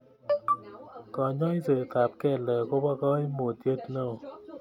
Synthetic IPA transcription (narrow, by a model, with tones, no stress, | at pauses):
kɔ˨ɲɔ˦i˦se˨t̪a˨p̚kɛ˦˨lɛ˨ko˦ba˦kɔ˦i˦mo˨tje˦tnɔ˦˨